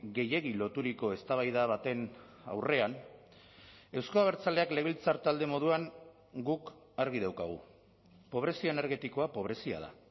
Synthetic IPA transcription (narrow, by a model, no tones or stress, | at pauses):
ɡe̞je̞ɣ̞ilo̞t̪uɾiko̞e̞st̪aβ̞ajðaβat̪e̞n | a̰wre̞an | e̞wskoaβ̞e̞ɾt͡sale̞akle̞β̞ilt͡saɾt̪ald̪e̞mo̞ðuaŋ | ɡuk | aɾɣ̞ið̞awkaɣ̞ṵ | po̞β̞ɾe̞sioene̞ɾɣe̞t̪iko̞apo̞β̞ɾe̞sia̰ð̞a̰